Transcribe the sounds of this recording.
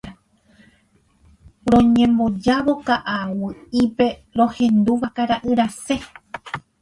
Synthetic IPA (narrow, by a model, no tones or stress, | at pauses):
ɾõ̞ɲẽ̞mbo̞d͡ʒaʋo̞kaʔawɨipe̞ɾõ̞hẽ̞nd̪uʋakaɾaʔɨɾase̞